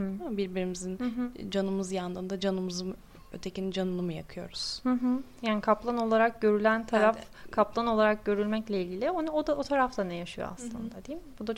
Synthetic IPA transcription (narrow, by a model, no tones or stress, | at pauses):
amabiɾbiɾimizind͡ʒanɯmɯzjand̪ɯnd̪ad͡ʒanɯmɯzɯn | øt̪ʰecinid͡ʒanɯlˠɯmɯjakʰɯjo̞̰ɾuz̥hɯɦ̩jaːnikʰaplˠano̞lˠaɾak̚ɟø̞ɾylʲænt̪ʰaɾaf | kʰaplˠano̞lˠaɾak̚ɟø̞ɾylʲmɛclʲɛilʲɟilʲionod̪aot̪ʰaɾaft̪ʰanɛjaʃɯjo̰a̰slˠɯ̰nd̪ad̪ejimbud̪a